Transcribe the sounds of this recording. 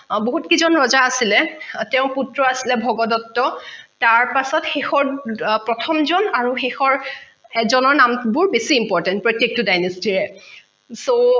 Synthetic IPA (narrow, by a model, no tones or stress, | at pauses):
boɦutkizɔnɹɔzaːsilɛtɛʊ̃putɹɔasilɛbʱɔɡɔdɔtːɔtaɹpasɔtxexɔɹpɹɔtʰɔmzɔnaɹuxexɔɹ | ɛzɔnɔɹnambʊɹbesiːmpɔɹtɛnt̚pɹɔtjek̚tʊdajnestiɹɛ | so